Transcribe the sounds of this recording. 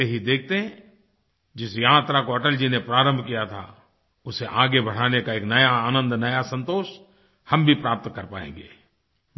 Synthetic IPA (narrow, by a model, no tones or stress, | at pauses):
eɦid̪eːk̚ʰt̪eɦɛ̃ | d͡ʒɪsjaːt̪ɾakoɐʈəld͡ʒinepɾaːɾə̃mbʱkijat̪ʰa̰ | ʊseʔaːɡebɐɽ̤aːnekaeːknɐjaaːnə̃nd̪nɐjasɐ̃nt̪oːʃ | hɐmbʱipɾaːp̚t̪kɐɾpaːḛ̃ːŋɡḛː